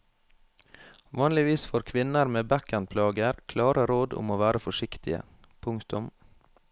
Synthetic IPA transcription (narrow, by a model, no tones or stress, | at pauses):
ʋɑːnlɪʋiːsfoːɾkʰʋɪnəɾmeːbækənpʰlɑːɡəɾkʰlɑːɾəɾoːd̪ʊ̰moːʋæːɾəfɔʂɪkt̪ɪə̰ | pʰʊŋkt̪ʊm